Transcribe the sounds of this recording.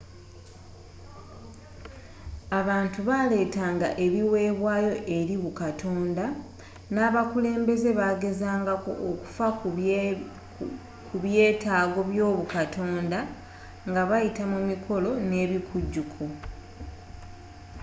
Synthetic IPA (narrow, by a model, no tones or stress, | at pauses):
aβaːntuβale̞ːtaːŋɡa̰ʔe̞βiwe̞ːβwaːjo̞ʔe̞ɾiβukatʰo̞ːnda | naːβakule̞ːmbe̞ze̞βaːɡe̞zaːŋɡako̞̰ʔːku̥fa | kuβje̞ːtaːɡo̞βjo̞ːβukatʰo̞ːnda | ŋɡaβajitamumikʰo̞lo̞ne̞ːβikʰuɟːukʰo